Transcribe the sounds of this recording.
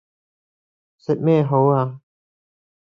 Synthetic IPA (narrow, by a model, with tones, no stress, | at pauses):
sɪ˨k̚mɛː˥˧ɦo˨˥waː˧